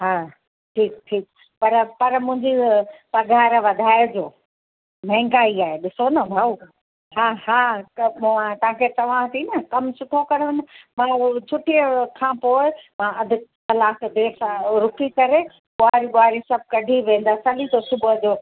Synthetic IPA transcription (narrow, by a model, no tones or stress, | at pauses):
ɦaː | ʈʰiːk̚ʈʰiːk̚ | pɐɾpɐɾmʊ̃ɦɪ̃ɲd͡ʑipɐɡʱaːɾʋɐd̪ʱaːɪd͡ʑoː | m̤ɛ̃ːŋɡaːiaːɦeɗɪsonɐbʱau | ɦaːɦaːmuãt̪ɐʋãkʰet̪ɐʋ̤ãt̪ʰinɐkɐmsʊʈʰokɐɾʋẽnəmãːt͡ɕʰʊʈijəkʰãːpoːɪmãɐd̪ʱɪtɐlaːkd̪eːɾsãɾʊkikɐɾe | ɓoaːɾiɓoaːɾisɐb̚ʱkɐɖʱiʋẽːn̆d̪aːsɐlit̪osʊbʱəd͡ʑoː